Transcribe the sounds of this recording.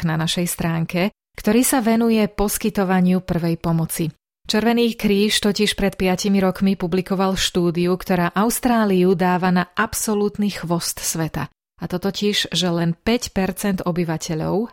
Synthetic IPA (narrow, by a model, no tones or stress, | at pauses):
nanaʃɛjst̪ɾaːŋkɛ | kt̪ɔɾiːsaʋɛnujɛpɔskit̪ɔʋaɲɪupr̩ʋɛjpɔmɔt͡si | t͡ʃɛɾʋɛniːkɾiːʃt̪ɔciʃpɾɛt̪pɪacimiɾɔkmipublikɔʋalʃt̪uːd̪iukt̪ɔɾaːʔaʊst̪ɾaːliud̪aːʋanaʔapsɔlut̪nixʋɔst̪sʋɛt̪a̰ | at̪ɔt̪ɔciʒʒɛlɛnpɛcpɛɾt͡sɛnd̪ɔbiʋacʰɛʎɔ̰ʊ